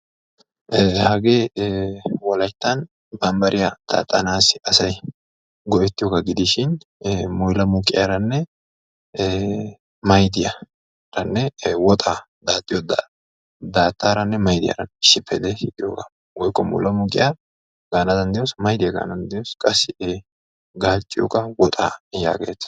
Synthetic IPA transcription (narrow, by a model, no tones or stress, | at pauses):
hɐɡeː | wɔlɐjt̪ːɐn | bɐmbɐɾʔɪjɐd̪̥a̰ːt̪ʼːɐnaːsɪʔɐsɐj | ɡɔʔɛt̪ːɪjoːɡaɡɪd̪ɪʃɪnmʊjlɐmʊkʼɪ̰jaɾɐnːɛ | mɐjd̪ɪjɐ | ɾɐnːɛwɔt̪ʼa | d̪aːt̪ʼːɪjɔd̪a | d̪aːt̪ʼːaːɾɐnːɛmɐjd̪ɪja̰ɾɐnɪʃːɪpʰːɛd̪ɛɪt̪ʼɪjoːɡɐ | wɔjkʼːɔmɔ̰jlɐmʊkʼɪ̰ja | ɡaːnɐd̪ɐnd̪ɪjosmɐjd̪ɪjaɡa̰ːnɐnd̪ɪjoskʼɐsɪe | ɡaːt͡ʃʼːɪjo̰kɐwɔt̪ʼaːja̰ːɡḛːt̪ɐ̥